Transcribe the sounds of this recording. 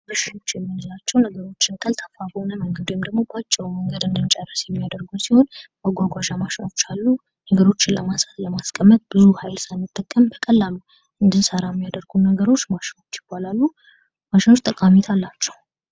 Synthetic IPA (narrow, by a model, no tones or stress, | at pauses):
ɾɨʃɪt̪o̞t͡ʃːjɛmːinəlat͡ʃːɛwnəɡəɾo̞t͡ʃːɪnkʰəlt̪ʰəfafonəməŋɡəd̪ujɛmd̪əɡmo̞bat͡ʃʼːɛwuməŋɡəd̪ɨnd̪ɨnt͡ʃʼɛrːəsjɛmːijad̪əɾɡusiho̞nbaɡʷaɡʷaʒamaʃɪno̞t͡ʃːalːu | nəɡəɾo̞t͡ʃːɪnlə̰masḁt̪ləmaskʼəmːət̪̚b̥ɨzuhajlsajmɨt̪ʼːəkʼːəmbəkʼəlːalːu | ʔɨnd̪ɨnsəɾajɛmːijad̪əɾɡunəɡəɾo̞t͡ʃːmaʃɪno̞t͡ʃːjɪbːalalːu | maʃɪno̞t͡ʃːt̪ʼəkʼamit̪ʰalːat͡ʃːɛw